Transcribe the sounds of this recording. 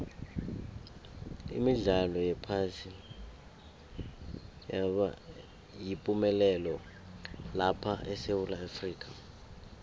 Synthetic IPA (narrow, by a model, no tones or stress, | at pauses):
ḭmiɮalɔjɛpʰasin | jaa | jipʼumɛlɛlɔ | lapʰaʔɛsewulaafriːk̬ʼa